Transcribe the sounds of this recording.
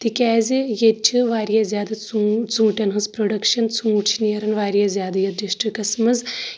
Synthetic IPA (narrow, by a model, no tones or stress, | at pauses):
t̪ikʲɛːzijet͡ʃʲʰɨʋaːɾijazʲjaːd̪ɐt͡sut͡sũːʈʲɐnɦɨzpɾoɖɐkʃɐnt͡sũːt͡ʃʰinijɐɾɐnʋaːɾjɐzʲjaːd̪ɐjɐd̪ɾiʃʈɨkɐsmɐz